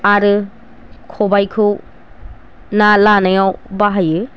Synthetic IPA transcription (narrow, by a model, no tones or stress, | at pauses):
aɾɯ | kʰobajkʰɯw | nalanajawbaɦajɯ